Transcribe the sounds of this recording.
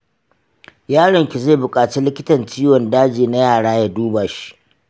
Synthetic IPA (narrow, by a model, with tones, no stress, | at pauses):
jaː˦ɽɐ˨ŋkʲi˨ze˦˨bʊ˨kʼaː˨t͡ʃi˦lɪ˦kʲɪ˦tɐ˨nt͡ʃiː˦wɔ˨ndaː˦d͡ʒiː˨na˦jaː˦˨ɽaː˦ja˨duː˦baː˨ʃi̥˦ʔ